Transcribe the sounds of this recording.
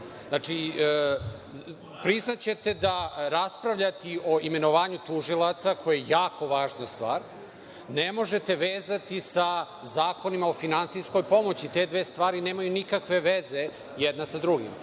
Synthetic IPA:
znaːt͡ʂi | pɾiznat͡ɕet̪e̞d̪aɾaspɾaʋʎat̪io̞ime̞no̞ʋaːɲut̪uʒilˠat̪sakʰo̞jajejaːko̞ʋaːʒnast̪ʋa̰ːɾ | nemo̞ʒe̞t̪e̞ʋeːzat̪isa | zaːko̞nimaofinansisko̞jpo̞mo̞t͡ɕit̪e̞d̪ʋe̞ːst̪ʋaːɾineːmajunikakʋe̞ʋeze | jɛd̪nasad̪ɾuɡḭm

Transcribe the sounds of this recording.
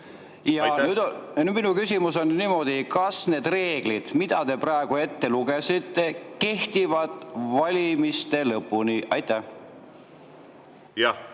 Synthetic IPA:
jɑnyd̪ny̥minukysʲimuso̞nːiːmo̞d̪̥ikɑsne̞ːd̪̥re̞ːɡ̥lid̪̥mid̪̥ɑt̪e̞prɑeɡ̥ue̞t̪ːe̞luɡ̥e̞sit̪ːe̞ke̞ht̪ivɑd̪̥ˑvɑlʲimist̪e̞lɤpːˑuniʔɑjt̪ːˑæ

